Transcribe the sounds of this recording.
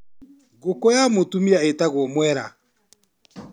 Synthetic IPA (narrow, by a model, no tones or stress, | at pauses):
ɣokojamotumiaetaɣwɔmwɛɾa̰